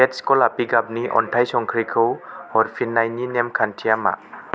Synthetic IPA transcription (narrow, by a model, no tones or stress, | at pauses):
et̚skɔlapiɡab̚niʔɔ̰ntʰajsɔŋkʰɾikʰɯwɔɾpʰinːajninemkʰantʰijama̰